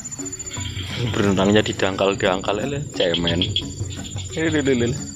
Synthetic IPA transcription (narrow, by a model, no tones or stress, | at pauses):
bəɾnuɾaŋɲad̪̥i̤d̪̥aŋkald̥aŋkalelet͡ʃɛmɛn | elelelel